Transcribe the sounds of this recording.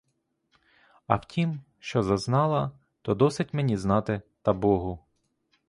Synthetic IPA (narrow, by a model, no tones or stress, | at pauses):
ɐwtʲim | ʃt͡ʃɔzɐznɑlˠɐ | t̪ɔd̪ɔsɪtʲmenʲiznɑt̪ɪt̪ɐbɔɦʊ